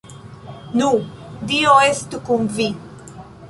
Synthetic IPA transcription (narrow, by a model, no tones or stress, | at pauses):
nũd̪ioest̪ukũmvi